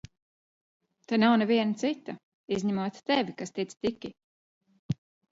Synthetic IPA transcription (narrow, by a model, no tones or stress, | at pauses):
t̪anawnɛviɛnat̪sit̪ːa | izʲɲamuɔt̪t̪ɛvʲikast̪it̪st̪ikʲi